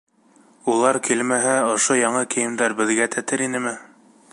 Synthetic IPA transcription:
ulˠɑɾkilmæɦæŏʃojɑɴɤkɘ̆jɘ̆md̪æɾbɘ̆ðɡæt̪ʰæt̪ɘɾinɘmɘ

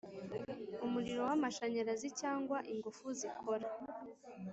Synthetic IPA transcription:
umuɾiɾo̞wamaʃaɲaɾazicaːŋɡwaʔiŋɡufuzikʰoɾa

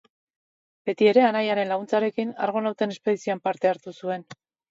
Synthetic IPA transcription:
b̥e̞t̪ie̞ɾe̞anajaɾe̞nlaɣunt͡saɾe̞kina̰ɾɣ̞o̞nawt̪e̞ne̞spe̞ð̞isioampaɾt̪e̞aɾt̪usue̞n

